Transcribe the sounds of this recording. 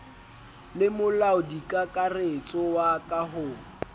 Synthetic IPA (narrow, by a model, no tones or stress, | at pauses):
lɪmʊlaʊdikʼakʼaret͡sʼɔwakʼaɦʊː